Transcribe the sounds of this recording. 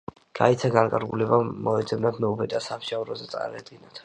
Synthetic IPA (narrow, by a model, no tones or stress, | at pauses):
ɡ̥ait̪sʰaɡankʼaɾɡulɛbamɔɛd̪zɛbnat̪ʰmɛupʰɛd̪asamʃavɾɔzɛt̪sʼa̰ɾad̪ɡinat̪ʰ